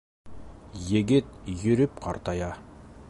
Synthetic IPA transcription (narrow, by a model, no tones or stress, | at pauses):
jeɡʲɪt̪̚jɵ̆ɾʏp̚qʰɑɾt̪ɑjɑ